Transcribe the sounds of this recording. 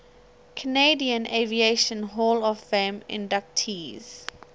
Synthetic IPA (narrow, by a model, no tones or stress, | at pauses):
kʰəneɪdiə̃nʔevieʃə̃nɦɔlɔvfẽmɪ̰̃ndak̚tʰiːz̥